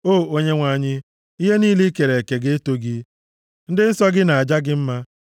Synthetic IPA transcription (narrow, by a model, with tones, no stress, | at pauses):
oː˦˨o˦ɲe˦ŋʷa˨a˨ɲɪ˦ | i˦ɦe˦niː˦li˦ke˨ɾe˨ke˨ɡe˦e˦to˦ɡi˦ | n̩˦dɪ˦n̩˦sɔ˦ɡɪ˦na˨a˨d͡ʒa˦ɡɪ˦m̩˦ma˦